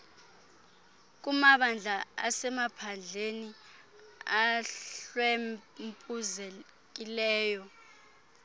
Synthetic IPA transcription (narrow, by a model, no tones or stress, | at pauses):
k̬umaɓand͡ɮʱaasɛmapʰand͡ɮʱeni | aɬwemmpʼuzɛ | k̬ilɛːjɔ